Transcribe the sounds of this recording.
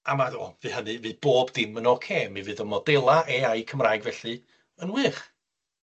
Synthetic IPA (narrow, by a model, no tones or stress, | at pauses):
amadoːvɨːhənɨviːb̥oːbdɪmənɔkʰeːmivɨːðəmɔdɛlˠaʔeːajkʰəmraːjɡvɛɬɨ | ənwɨːχ